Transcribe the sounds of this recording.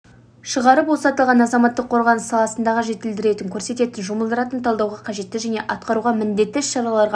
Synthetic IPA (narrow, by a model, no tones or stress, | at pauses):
ʃəʁɑɾəpbosɑt̪əlˠʁɑnɑzɑmɑt̪ːəqʰːo̞ɾʁɑnəsːɑlˠɑsənd̪ɑʁəʒe̞t̪ɪld̪ɪɾe̞t̪ɪŋkʲʰɵɾse̞t̪e̞t̪ɪnʒʊməlˠd̪əɾɑt̪ənt̪ʰɑlˠd̪ɑwʁɑqʰɑʒe̞t̪ːɪʒæne̞ʔɑt̪̚qɑɾuʁɑmɪnd̪e̞t̪ːɪɪʃʃɑɾɑlˠɑɾʁɑ